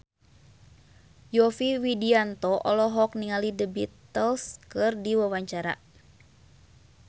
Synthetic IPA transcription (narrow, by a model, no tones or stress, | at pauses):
jɔfiwidiant̪ɔʔɔlɔɦɔk̚niŋalidəbḭt̪əlskɨrdiwawaɲt͡ʃaɾa̰